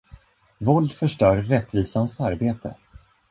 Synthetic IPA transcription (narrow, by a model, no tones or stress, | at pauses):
vɔld̪fœʂʈœːɾːɛt̪ːviːsansaɾbeːt̪ʰə̰